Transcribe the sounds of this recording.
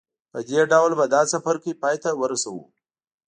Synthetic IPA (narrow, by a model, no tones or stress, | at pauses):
pəd̪eɖawlbad̪ɑsafaɾkəipɑjt̪awəɾasawṵ